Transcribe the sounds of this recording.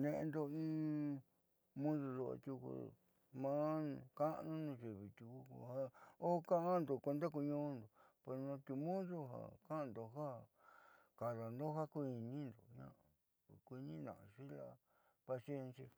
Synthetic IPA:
nẽ˧ʔẽ˧nd̪o˧ĩː˦ | mũ˦ðo˧ðo˧a̰˧t̪u˧kṵ˧˨ | mã˦ñ˧ka˦ʔnũ˦nũ˧ʐi˨βi˨t̪u˧ku˧kha˧o˦˧kã˦ʔa˦nd̪o˨kʷe˧nd̪a˦k̬u˧ɲõ˦nd̪o˨pe˧˨nã˧t̪u˧mũ˦ðo˦ɦa̰˨kã˦˧nd̪o˧ɦa˦ | ka˨ða˨nd̪o˦ha˦kʷu˦˧i˧nĩ˦nd̪o˨ɲã̰˦ʔã˨ | kʷi˧nĩ˦nã̰˨ʔʂi˦la̰˧ | pa˧si˧e˦˧nsja˧

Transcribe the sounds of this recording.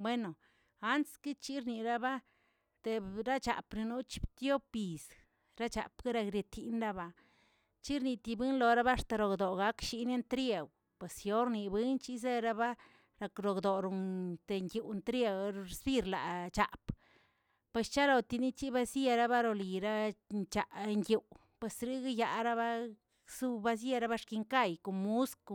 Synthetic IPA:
bwe˦no˨ | a˦nt̪ski˦t͡ʃi˦ɾni˨ɾa˦ba˦ | t̪e˨ɾa˦t͡ʃa̰˨pɾi˧nu˦t͡ʃi̥˦bt̪jo˦bbi˨s | ɾa˦t͡ʃa̰˨pɡa˦ɾa˧ɡɾe˧t̪ʰi˨nɾa˦ba˧ | t͡ʃi˦ɾni˧t̪i˧bɨ˦nlo˨ɾa˦βa˦ʂt̪a˨ɾo˨ɡd̪o˨ɡa˦kʃi˧ne˦nt̪ɾje˨w | pwe˨sjo˦ɾni˨bi˦nt͡ʃi˦z̬e˦ɾa˦ba˦ | ɾa˨˧kɾo˨ɡd̪o˨ɾo˨t̪e˧ŋɡʲu˨nt̪ɾe˧wɾɾe˧sbi˦˧ɾla̰˨t͡ʃa̰˨p | pwe˨st͡ʃa˦lo˨t̪i˧ni˦t͡ʃi˦ba˦sje˧ɾa˦ba˦ɾo˧li˨ɾa˦nt͡ʃa˨ʔŋɡju˨w | pwe˨sɾi˦ɡa˦ja˨ɾa˦ba˦ | su˦˧ba˦s̬je˧ɾa˦ba˦ʂki˧ŋka˦˧˨jko˨mu˦sk

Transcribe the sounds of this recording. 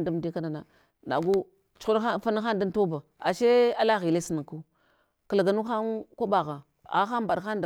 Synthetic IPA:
nda˦m˨di˦ka˦na˨na˨ | na̰˨ɡu˦ | t͡ʃu̥˦u˦ɾfa˦na˦xa˦nda˦n˦to˦ba˨ | a˨ʃe˦a˦la˦ɣi˨le˦si˨na˨ŋku˦ | ka˨la˨ɡa˨nu˦xa˦nkʷa˦ba˨ɣa˨ | a̰˨˦xa˦m˦ba˨ɗxa˦n˦d

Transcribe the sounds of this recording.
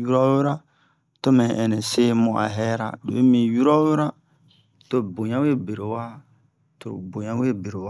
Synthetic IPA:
ju˦ɾɔ˦we˦ɾa˦ | to˦mɛ̃˨ɛ˨nɛ̃˨se˦mõ˨ʔa̰˨ɦɛ˦ɾa̰˦˨do̰˨e˦mĩ˨ju˦ɾɔ˦we˦ɾa˦ | to˦bo˨ɲã˦we˦be˨ɾe˨wa˦ | to̰˨bo˨ɲã˦we˦be˨ɾo˨wa˦

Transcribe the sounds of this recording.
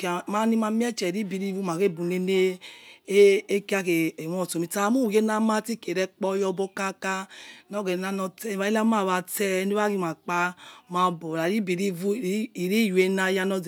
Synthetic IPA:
kma˦ni˦ma˧˦m˦ɛ˦t͡ʃɛ˨ɾi˦bi˨ɾi˦vu˦ma˨ɡe˦˨bu˨ne˦ne˦ | e˦ki˦a˦ke˨wɔ˦ɔ˨to˨mi˧˦ta˦˨˦mu˦˨ɡe˦na˧ma˦ti˦ke˨ɾɛ˧k͡pɔ˧˦jɔ˧bɔ˧ka˦ka˧nɔ˦ɡɛ˨na˦nɔ˧tɛ˦˨˦βa˦i˦la˦ma˦˨βa˧tɛ˦ne˦a˦ɡi˧˦ma˨k͡pa˧ma˧˨bɔ˨ɾa˨ɾi˦bi˨ɾi˦vu˦˨˦i˨ɾi˦jwe˧˦na˧˦ja˧nɔ˧z

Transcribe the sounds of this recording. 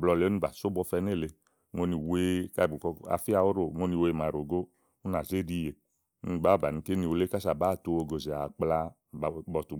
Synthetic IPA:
blɔ˧˨le˨˦o˦i˧˨ba˨so˦bɔ˧fɛ˧ne˦˨le˧ | ŋo˦ni˨weː˦ka˦˨bu˨kɔ˧˦a̰˧˨fi˦a˧˨o˦ɾo˨ŋo˦ni˧we˧˨ma˨ɾo˨ɡo˦ | u˦na˨ze˦˨di˦˧˨je˨˦ | ni˧˨ba˦˨ba˨ni˧˨ke˦ni˧˨o˧le˦ka˦sa˨ba˦˨to˧o˧ɡo˨ze˨a˨k͡pla˧˨ | bɔ˧˨tu˨

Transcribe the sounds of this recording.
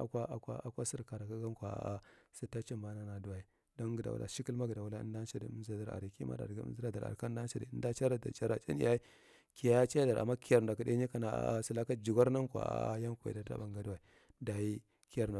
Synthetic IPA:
a˨kʷa˦ʔa˨kʷa̰˦a˨kʷa˦si˦ɾka˨ɾa˨ka˦ɡa˦n˦kʷa̰˨a˦sa˦ta˦t͡ʃi˦mba˦na˨na˨du˦wa˨i˨ | do˦nɡə˨da̰˨ṵ˨la̰˨ʃi˦ki˦lma˦ɡə˨da˨wu˨la˦ə̰˦nda˦n˦ʃa˦dḭ˨˦za˨da˨ɾa̰˨ɾi˨ki˦ma̰˦da̰˨ɾɡa̰˦zi˦ɾa˦da˨a̰˨ɾka˦da˦n˦ʃa˨dḭ˨˦n˦da˦t͡ʃa˦ɾa˦da̰˨t͡ʃa˦ɾa˨t͡ʃḭ˦nḭ˦˨ja˦i˦ | ki˨˦a˦t͡ʃa˦a˦da˨ɾa̰˨mːa˦ki˨ja˨ɾda˨ka˦de˦ɲi˦ka˦na˨a̰˨a˦si˦la˦ka˦d͡ʒi˨ɡa˦ɾna˦ŋ˦kʷa̰˨a̰˦a̰˦ja˦ŋkʷa˨ḭ˨da˦ta̰˦ba˨ŋɡa˨du˦wa˨i˨ | da˨ji˦ | ki˦a˨ɾa˨

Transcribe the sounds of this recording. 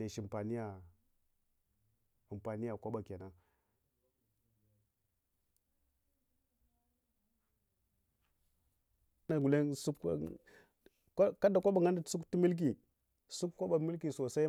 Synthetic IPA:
e˨ʃi˨mpa˨ni˦ja˨ | a˨mpa˨ni˦ja˨kʷa˦ɓa˨ka˨na˦ | na˨ɡu˨le˦nsu˦k | kka˦da˨kʷa˦ɓa˨ŋa˦nda˨˦su˦kti˦mi˦lk̬i˨ | su˦kkːa˦ɓa˨mi˦lki˨so˨sa˦i˦

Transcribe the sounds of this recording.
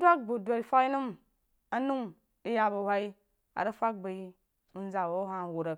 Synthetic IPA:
dwa˦k̚ɡ͡bu˨dʷa˨i˨fa˦i˦nu˦m | a˦nu˦ŋ | i˦ja˨ba˨hʷa˦i˦ | a̰˨ɾə˦fa˦k̚ba˨i˦ | u˦n˦za˨wo˦ɦa˨wu˨ɾə˨k

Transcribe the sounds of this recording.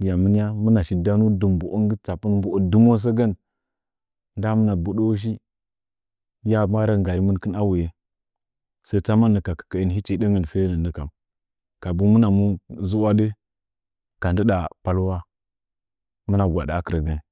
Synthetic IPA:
di˨ja˨mə˦n˦ja˦mu˦na˨ʃi˨da˦nu˦du˨mbu˨ʔo˦ŋ˦ɡə˦t͡sa˨pu˦nbu˨˦˨du˦mo˦s̬ə˦ɡə˦n | nda˦mə˦na˨bu˨ɗo˦ʃ̬i˦ | ja˦ma˦ɾə˦ŋɡa˨ɾi˦mə˦n˦kə˦na˦wu˨je˦ | sə˦t͡sa˦ma˦nːə˨ka˨kə̥˨kə˨i˨˦n˨i˦t͡ʃi˦də˦ŋə˨n˨fe˦nə˨nə˦ka˨m | ka˨bu˦mu˦na˨mu˦zu˦wa˦də˦ | ka˨ndə˦da˨pa˨lwa˦ | mu˦na˨ɡʷa̰˨da˨˦kə˨ɾə˨ɡə˦n˨

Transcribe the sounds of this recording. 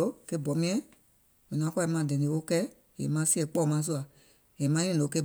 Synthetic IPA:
o˦ke˦˨bɔ˨˦mĩ˦ɛ̃˦ | mɛ̃˨n˨ã˨˦ki˨˧˦mã˨dɛ̃˨nĩ˧˦wo˦kɛ˦ | jḛ˨mã˦si˦ɛ˨˦k͡pɔː˦˨mã˨˦s̬u˦a˨ | je˨mã˦ĩ˦˨o˨˦ke˧˦˨

